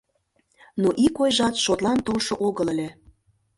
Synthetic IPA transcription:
noʔikojʒɑt̪ʃot̪lˠɑnt̪olʃoʔoɣələ̆lʲe

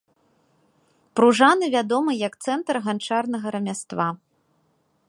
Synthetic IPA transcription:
pɾuʐanɨvʲad̪ɔmɨjɐkt̪sɛnt̪ɾɣant͡ʂarnɐɣɐɾɐmʲast̪va

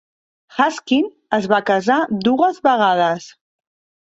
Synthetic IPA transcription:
xaskin | əzβakəzad̪uəzβəɣað̞əs

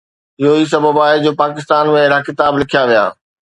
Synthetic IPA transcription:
ɪɦoiːs̬ɐbʱəbaːed͡ʑoːpaːkɪst̪aːnmẽɾaːkɪt̪aːblɪkʰijaʋija̰ː

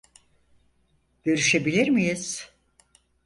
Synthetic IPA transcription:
ɟ̥ø̞ɾyʃebilʲiɾmijiz̥

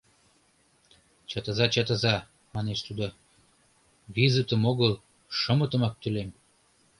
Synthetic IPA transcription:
t͡ɕɑt̪əzɑt͡ɕɑt̪əzɑ | mɑneʃt̪ud̪o | βizət̪əmoɣəl | ʃəmət̪əmɑk̚t̪ylem

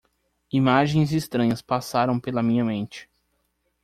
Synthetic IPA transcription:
imaʒẽj̃zist̪ɾɐ̃ɲɐspasaɾɐ̃w̃pelɐmĩɲɐmẽnt͡ʃɪ̥

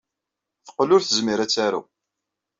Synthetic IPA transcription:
θə̥qːlʊɾθəzmiɾæt͡sːaɾa̰

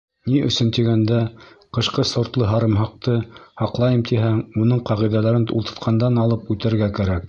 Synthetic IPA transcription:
niʔɵ̆sɵnt̪iɡænd̪æ | qɤ̆ʃqɤsŏɾt̪lˠɤɦɑɾɤ̆mɦɑq̚t̪ɤhɑqlˠɑjɤmt̪iɦæŋunɤɴqɑʁiðælæɾɘnṵlˠt̪ɤ̆t̪qʰɑnd̪ɑnɑlˠɤpʉt̪æ̆ɾɡækæɾæk̚

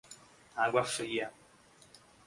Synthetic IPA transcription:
aɡʷafəja

